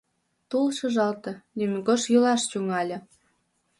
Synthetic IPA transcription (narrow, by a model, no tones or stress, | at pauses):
t̪ulʃɤ̆ʒɑlt̪ɤ̆nymʲɡoʃjylɑʃt͡ɕuŋɑlʲɤ̆